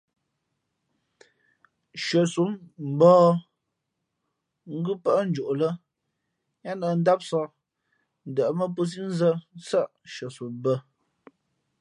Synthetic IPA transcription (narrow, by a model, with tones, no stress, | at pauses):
ʃə˨su˨˦mm̩˨bɔː˦ | ŋ̩˦ɡʉ˦pə˦ʔn̩˦d͡ʒu˨ʔlə˦ | ɲa˦nə˨n̩˦da˦p̚sɔ˦˨ | n̩˨də˨ʔmə˦p̬u˦s̬i˦n̩˦zə˦sə˦ʔʃə˨su˨˦mbə˦